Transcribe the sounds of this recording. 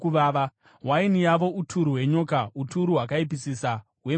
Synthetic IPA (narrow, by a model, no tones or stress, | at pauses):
kuʋaːʋa | wainijaʋo̞utʰuɾuɦwe̞ɲoːkautʰuɾuɦwakaipisisa | ɦwe̞